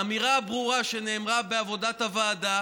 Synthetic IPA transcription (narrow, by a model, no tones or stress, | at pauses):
amiʁabʁuʁaʃe̞ne̞ːmʁabeavo̞dathavaːd̪a